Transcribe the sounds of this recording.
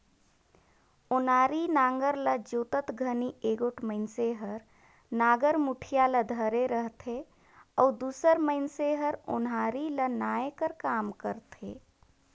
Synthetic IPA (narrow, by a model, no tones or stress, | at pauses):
onaɾinaŋɡəɾləd͡ʒot̪ət̪ɡʱənieɡoʈʰməɪnseɦəɾ | naɡəɾmuʈʰijaləd̪ʱəɾeɾəɦt̪ʰe | ɔud̪usəɾməɪnseɦəɾo̰naɾilənaekəɾkamkəɾt̪ʰḛ